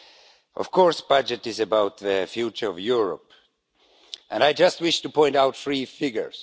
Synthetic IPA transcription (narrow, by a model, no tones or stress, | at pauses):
ʔɔ̰v̥kʰɔɹsb̥ʌd͡ʒɨtɨzɨbawt̪̚ðɨfjut͡ʃə˞ʌvjuɹə̰p | ʔɨ̃naɪd͡ʒʌst̚wɪʃtupʰɔ̃ɪ̃ntaʊt̪θɹifɪɡjə̰˞z̥